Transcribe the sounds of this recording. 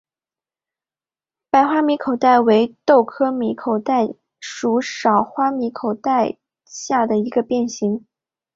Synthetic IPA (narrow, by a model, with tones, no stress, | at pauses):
pa˨˩ɪxwa˥mi˧˥kʰo˨˩ʊt̪a˥˩ɪwe˧˥ɪt̪o˥˩ʊkʰɤ˥mi˧˥kʰo˨˩ʊt̪a˥˧ɪ | ʂu˧˥ʂɑ˨˩ʊxwa˥mi˧˥kʰo˨˩ʊt̪a˥˧ɪ | ɕja˥˩d̪ə˩i˧˥ɡə˧pjɛ˥˩nɕi˧˥ŋ